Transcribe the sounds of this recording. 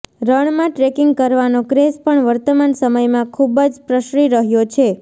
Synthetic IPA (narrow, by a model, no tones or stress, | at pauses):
ɾəɳmãʈɾekɪŋɡ̚kəɾʋanokɾespəɳʋəɾt̪əmansəməjmãkʰubd͡ʒpɾəʃɾiɾəɦjot͡ʃʰe